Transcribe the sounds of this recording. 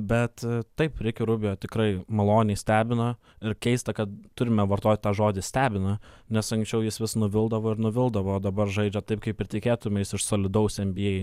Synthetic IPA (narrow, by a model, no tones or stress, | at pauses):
bʲɛt̪t̪ɐɪpɾʲɪkʲɪɾʊbʲɪjoːt̪ʲɪkɾɐɪmɐlˠoːnʲɛɪsʲt̪ʲæːbʲɪnɐ | ɪɾkʲɛɪst̪ɐkɐt̪t̪ʊɾʲɪmʲɛʋɐrt̪oːt̪ʲt̪ɑːʒoːd̪ʲɪsʲt̪ʲæːbʲɪnɐ | nʲɛsɐŋksʲt͡ʃʲɛʊjɪsʋʲɪsnʊʋʲɪlˠd̪ɐʋoːɪɾnʊʋʲɪlˠd̪ɐʋooːd̪ɐbɐrʒɐɪd͡ʒʲɛt̪ɐɪp̚kɐɪpɪrʲt̪ʲɪkʲeːt̪ʊmʲɛjɪsɪʃsoːlʲɪd̪ɐʊsʲɛmʲbʲɪjɛj